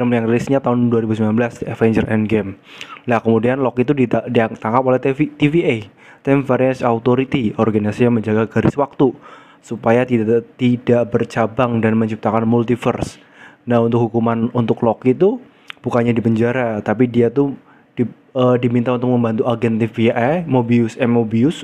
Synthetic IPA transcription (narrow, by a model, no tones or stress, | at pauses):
ɾəmjaŋrilisɲat̪aɦʊnduwaɾibusəmbilanbəlaskəɛfɛɲd͡ʒərʔɛ̰nɡɛmlahkəmudianlɔkit̪udidit̪aŋkapolɛh̪it̪ifie | t̪ɛmfaɾɛnsaut̪oɾit̪iɔrɡanisasijaŋməɲd͡ʒaɡaɡaɾɪswak̚t̪u | supajat̪idt̪idaʔbərt͡ʃabaŋdanməɲt͡ʃip̚t̪akanmult̪ifərs | naɦunt̪ʊk̚hukumanunt̪ʊklokit̪u | b̥ukaɲadipəɲd͡ʒaɾat̪ap̬idiat̪u | di | ədimint̪aunt̪̬ʊk̚məmbant̪uaɡɛnt̪ifiʔamobiusɛmobiʊs